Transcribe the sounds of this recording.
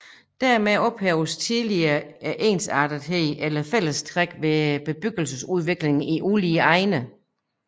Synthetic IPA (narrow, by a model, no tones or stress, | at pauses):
d̥æɐmeɒ̽b̥hɛʊst͡sʰiðˠliɐːæʔe̝̰ːnsɑ̰̈ːd̥əð̩ˠɦeðʔelɐfel̰əst͡sʰʁaɡ̥ʋe̝b̥e̝b̥yɡ̥əl̩səsuð̞ˠʋe̝ɡ̥le̝ŋn̩iʔuliːəɑ̈ɪnə